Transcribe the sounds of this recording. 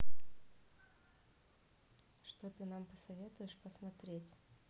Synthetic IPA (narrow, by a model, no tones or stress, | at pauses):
ʂt̪ot̪ɨnampəsɐvʲe̞t̪ʊjɪʂpəsmɐt̪ɾʲetʲ